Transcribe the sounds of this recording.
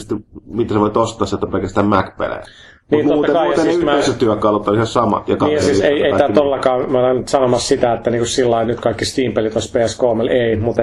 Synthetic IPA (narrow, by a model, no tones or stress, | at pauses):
st̪imit̪æseʋoit̪ost̪ːˑɑːsːet̪ːæpelkæst̪æːmmækpḛlḛ | niːntmotːt̪ːɑekɑijɑt̪ensymæːeset̪yækːɑlot̪ːolissɑmɑ̰t̪jɑknɑniːjɑssiːseieit̪æːt̪olːɑkɑːmænɑnt̪sɑnomɑssit̪æet̪ːæniːŋkussilːɑinyt̪kɑikːist̪iːmpelit̪ospeːæskoːmeleimut̪